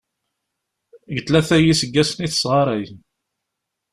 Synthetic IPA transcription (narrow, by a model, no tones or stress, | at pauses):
ɡət̪læθæjisəɡːæsəniθə̥sʁɑɾˤɑjən